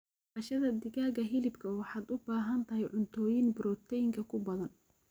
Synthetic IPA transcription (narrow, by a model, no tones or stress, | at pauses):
ɐʃɐðɐd̪ɪɣaːɣɐɦɪlɪbkʰɐwɑħɑːd̪ʊbaːɦɐnt̪ʰɐɦɛjʕʊnt̪ʰɔːjɪnbɪɾɔːt̪ʰɛjɪŋkʰɐkʰʊbɐðɐn